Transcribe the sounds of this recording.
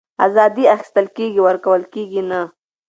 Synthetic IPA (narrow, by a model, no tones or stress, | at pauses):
a̰zɑd̪iaxɪ̥st̪əlkeɡiwəɾkawəlkeɡina